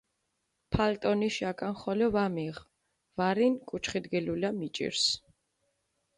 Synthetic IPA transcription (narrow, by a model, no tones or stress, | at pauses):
pʰalt̪ʼɔniʃakʼanχɔlɔvamiʁ | vaɾinkʼut͡ʃʰχid̪ɡɛlulamit͡ʃʼḭɾs